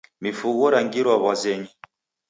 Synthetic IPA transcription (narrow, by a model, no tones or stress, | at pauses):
mifuɣɔɾaŋɡiɾwaβwazɛɲi